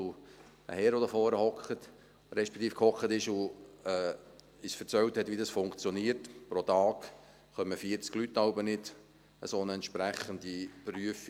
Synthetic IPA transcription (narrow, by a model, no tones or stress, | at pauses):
ʊ | ə̰hɛːɾod̪əfɔːɾəhɔkχət | ɾɛʃpɛkt̪iːfkʰhɔkətɪʃʊɛː | ɪʃfəɾt͡sœwthɛtʋidɑsfʊŋkt͡sjɔniːəɾtpɾotɑːk | χœməfiːəɾt͡sklytːɑʊbənɪd | əsoːnəɛntʃpɾæχəndipryəf